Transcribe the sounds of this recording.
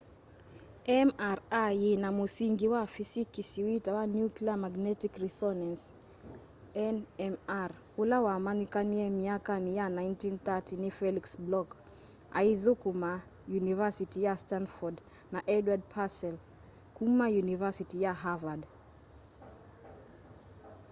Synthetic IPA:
ɛmaɾajinamusiŋɡiwafisikisiwitawanjukliamaɡnɛtikrisɔnans | ɛnɛmar | ulawamanikaniɛmiakanijanajntinθatinifɛliksblɔk | a̰iðukuma | junivasitijastanfɔd | naʔɛdwad̚pʰasɛl | kumajunivasitijaɦavad

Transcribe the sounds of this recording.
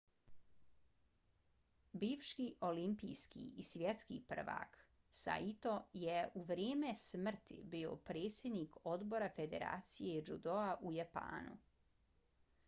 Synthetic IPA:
biːʋʃkiʔo̞limpḭjskḭisʋjet̪skḭpr̩ʋa̰k | sa̰it̪o̞jeʔuʋɾjeːmesmr̩t̪ḭbio̰pɾe̞ːt̪sʲje̞d̪niko̞d̪bo̞ɾafe̞d̪ḛɾa̰ːt̪sijed͡ʒud̪oaʔujapa̰ːnṵ

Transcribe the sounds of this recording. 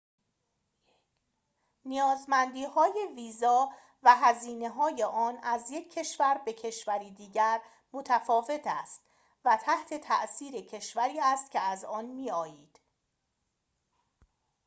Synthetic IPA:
nijɒːzmænd̪iːhɒːje̞viːzɒː | væɦæziːne̞ɦɒːje̞ʔɒːnæzje̞cʰːe̞ʃvæɾbe̞cʰe̞ʃvæɾiːd̪iːɟæɾ | mot̪ʰæfɒːve̞t̪ʰæst̪ | væt̪ʰæht̪ʰe̞t̪ʰæ̰ʔsiːɾecʰe̞ʃvæɾiːæst̪cʰʲe̞æzɒːnmiːɒːjiːd̪̥

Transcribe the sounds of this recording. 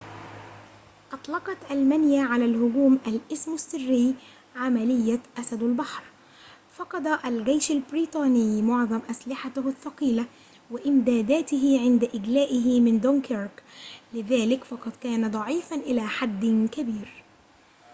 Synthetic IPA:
ʔɑt̪ˤlɑqɑt̪ʔalmænjaːʕalaːlhʊɡuːmʔalʔɪsmasːɪrːɪː | ʕamalɪjːaʔasad̪albɑħɾ | fɑqɑd̪aʔalɡajʃalbɾiːt̪ˤɑːnɪjmʊʕðˤɑmʔaslɪħat̪ʊhθːɑqiːla | wɪʔɪmd̪aːd̪æːt̪ɪɦɪʕɪnd̪aʔɪɡlæːʔɪɦɪmɪnd̪onkɪɾklɪðaːlɪkfɑqɑd̪ˤkaːnad̪ˤɑʕiːfanʔɪlaːħad̪ːkabiːɾ

